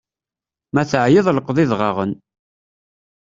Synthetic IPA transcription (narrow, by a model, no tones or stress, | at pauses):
mæθəʕjɪðˤləqðˤɪðʁɑʁən